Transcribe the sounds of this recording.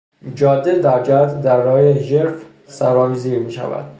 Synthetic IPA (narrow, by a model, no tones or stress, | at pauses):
md͡ʒɒːd̪ed̪æɾd͡ʒæt̪d̪æɾːɒːjeʒeɾf | sæɾɒːmiːziːɾmiːʃæ̰væ̰d̪̥